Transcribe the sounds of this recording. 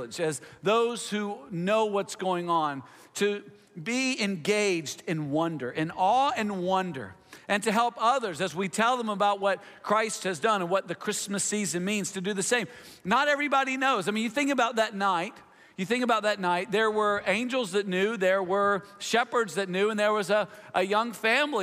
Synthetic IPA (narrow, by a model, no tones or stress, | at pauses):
əd͡ʒɨzðoʊz̥hunoʊwʌtsɡ̥oʊɪ̃ŋə̃ntʰɨ | biɪ̃nɡeɪd͡ʒdɨ̃nwʌ̃ndə˞ʔɨ̃nɔɨ̃nwʌ̃ndə̰˞ʔɨ̃ntɨɦɛlˠpʌðə˞zɨzwitʰɛlˠðə̃məbaʊt̚wʌt̚ | kʰɹ̥aɪst̚hɨzdʌ̃nə̃nwʌt̪̚ðɨkʰɹ̥ɪsmɨsizɨ̃nmĩnz̥tʰɨdɨðɨsẽɪ̃m | nəɾɛvɹibɑɾinoʊzaɪmĩnjɨθɪ̃ŋkɨbaʊt̪̚ðɨtⁿnaɪt̚ | jɨθɪ̃ŋkəbaʊt̪̚ðɨtⁿnaɪt̪̚ðə˞wə˞ẽɪ̃nd͡ʒl̩ˠzðɨtⁿnjʉðə˞wə˞ʃɛpə˞dzðɨtⁿnjʉə̃nðə˞wʌzəʔəjʌ̃ŋfæ̃mli